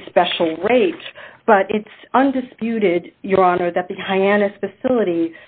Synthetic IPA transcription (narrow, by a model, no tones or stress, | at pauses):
spɛʃl̩ˠɹeɪt̚b̥ʌɾɪtsʌ̃ndɨspjʉɾɪdjə˞ɑnə˞ðɨt̪̚ðɨhaɪænɨsfɨsɪlˠəɾi